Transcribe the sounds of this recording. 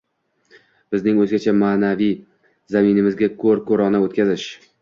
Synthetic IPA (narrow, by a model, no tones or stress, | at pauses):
b̥ɪznɪŋɵzɡʲat͡ʃʰamaːnavij | zaminɪmɪzɡʲakʰɵɾkʰɵɾɒnaot̪̚kʲazɪʃ